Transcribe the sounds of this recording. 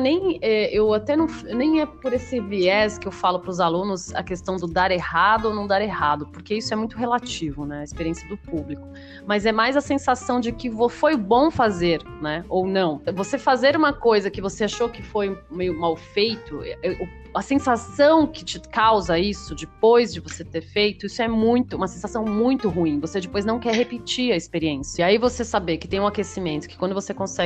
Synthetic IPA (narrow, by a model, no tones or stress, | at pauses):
nẽj̃ɛewat̪ɛnɐ̃w̃fnẽj̃ɛpʊɾesɪviɛskɪewfalʊpɾʊzalũnʊzɐ̰kest̪ɐ̃w̃d̪ʊd̪aɾehad̪ʊownɐ̃w̃d̪aɾehad̪ʊpʊɾkeisʊɛmũj̃t̪ʊɦelat͡ʃivʊnɛɐispeɾiẽsjɐd̪ʊpublikʊ | mɐzɛmajzɐsẽsasɐ̃w̃d͡ʒɪkɪvofojbõw̃fazeɾnɛownɐ̃w̃vosefazeɾũmɐkojzɐkɪvoseaʃokɪfojumejʊmawfejt̪ʊɛɛʔʊ | ɐsẽsasɐ̃w̃kɪt͡ʃɪkawzɐisʊd͡ʒɪpojzd͡ʒɪvoset̪eɾfejt̪ʊisʊɛmũj̃t̪ʊũmɐsẽsasɐ̃w̃mũj̃t̪ʊɦuĩvosed͡ʒɪpojznɐ̃w̃kɛɾɦepɪt͡ʃiɾɐɪspeɾiẽsɐiaivosesabeɾkɪt̪ẽj̃ũakesimẽnt̪ʊ̥kɪ̥k̪d̪ʊvosekõsɛ